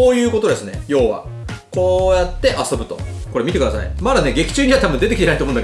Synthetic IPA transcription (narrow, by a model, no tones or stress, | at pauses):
oːjɯ̟ːko̞t̪o̞d̪e̞sɨne̞̰jo̞ːβa̰ | ko̞ːjat̪ːe̞ʔaso̞bɯ̟t̪o̞̰ko̞ɾe̞mʲit̪e̞kɯd̪asa̰ḭmad̪ane̞ɡe̞kʲi̥t͡ɕɨːɲ̟iβat̪abɯ̟nd̪e̞t̪ekʲit̪e̞nait̪omõnake